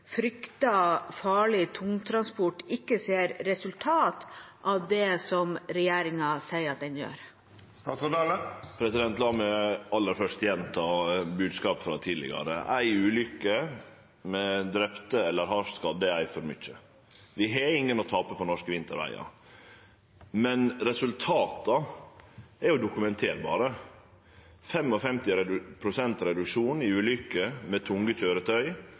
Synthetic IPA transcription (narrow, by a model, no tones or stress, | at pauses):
fɾʏkt̪ɑfɑːɭɪt̪ʰʊŋt̪ʰɾɑnspʊʈːɪkːəseːɾːɛsʉlt̪ʰɑːt̪ʔɑʋd̪ɛsɔmɾɛjeːɾɪŋɑsæɪəɾɑt̪̚d̪ɛnjø̰ːɾ | sɑləpʰɾɛsɪd̪ɛnt̪lɑːməɑlːəɾfœʂt̪jɛnːt̪ʰɑːbʉːd̪skɑːpfɾɑt̪ʰiːd̪lɪ̰ɡɑ̰ɾə̰ʔæɪʉːlʏkːə | mɛd̪ɾɛpt̪əɛlːəɾɦɑʂskɑd̪əæɪfɔɾmʏçə | ʋɪɦɛɪŋːənɔt̪ʰɑːpəpʰɔnɔʂkəʋɪnt̪ʰəɾʋæ̰ɪɑ̰ | mɛnɾɛsʉlt̪ʰɑːt̪ɑ | ɛɾjʊd̪ʊkʉmɛnt̪ʰeːɾbɑ̰ːɾə | fɛmɔfɛmt̪ɪɾɛpʰɾʊsɛnt̪ɾɛd̪ʉkʂuːnɪʉːlʏkəmɛt̪ʰʊŋɡəc͡çøːɾət̪ʰœʏ